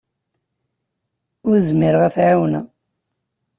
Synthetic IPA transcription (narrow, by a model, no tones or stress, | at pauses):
ʊɾzmiɾəʁæθʕawnæ